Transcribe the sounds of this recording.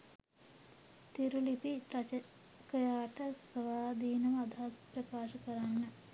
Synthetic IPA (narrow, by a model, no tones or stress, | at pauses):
t̪iɾulipiɐ | kɐjaːʈəsɐʋaːd̪ʱiːnɐmɐd̪ʱaːsprɐkaːʃɐkəɾanːə